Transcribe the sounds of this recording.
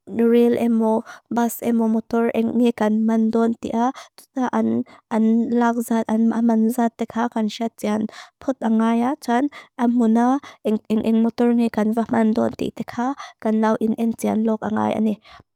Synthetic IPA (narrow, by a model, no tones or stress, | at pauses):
relʔɛmɔbasɛmɔmɔt̪ɔrɛŋŋekanmand̪ɔnt̪ḭʔat̪u̥t̪aʔanʔanlak̚zat̪̚anamanzat̪ːɛkʰakanʃat̪̚t͡sianpʰɔt̪̚ʔaŋajat͡ʃanʔamunaɛŋɛŋʔɛ̰ŋmɔt̪ɔrŋekanvamand̪ɔ̰nt̪ḭʔt̪ɛkʰakanlawʔinʔɛnt͡sia̰nlɔk̚a̰ŋa̰jʔa̰ni